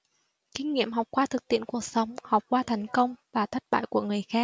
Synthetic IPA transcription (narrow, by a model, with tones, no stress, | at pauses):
kï˧ŋ̟ŋḭ˧˨əmɦɔ˨˩wk͡p̚kwaː˧t̪ʰɨ˨˩k̚t̪ḭ˧˨ənku˨˩ək̚sə˨˦wŋ͡mha˨˩wk͡p̚kwaː˧t̪ʰɛ˨˩jŋ̟kə˧wŋ͡mvaː˨˩t̪ʰə˦˥t̚ɓa̰ː˧˨jku˧˩əŋɨ˨˩əjxaː˦˥k̚